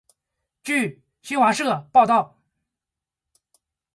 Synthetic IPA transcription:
t͡ɕy˥˧˩ | ɕi˥nwa˧˥ʂɤ˥˩pɑ˥˧ʊt̪ɑ˥˩ʊ

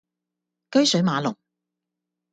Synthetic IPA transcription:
kɵ˥ɥsɵ˨˥ɥmaː˨˧lʊ˨˩ŋ

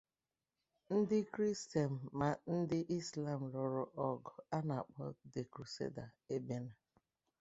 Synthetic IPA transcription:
n̩˦dɪ˦kɾi˦ste˨m̩ː˨a˨n̩˦dɪ˦ʔi˦sla˨m̩˨lɔ˨ɾɔ˦ʔɔ˦ɡɔ˨a˦na˨k͡pɔ˦de˨kɾu˨sḛ˦da˨e˦be˦na˨

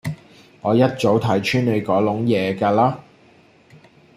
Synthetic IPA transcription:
ŋɔː˨˧jɐ˥t̚t͡so˨˥wt̪ʰɐ˨˥jt͡ʃʰyː˥nlɵ˨˧kɔː˨˥lʊ˨˥ŋjɛː˨˧kaː˧laː˥

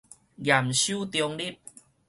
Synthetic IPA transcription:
ɡja˨˩mɕjuː˦˨t̪jɔ˧ŋdi˦˥˨p̚

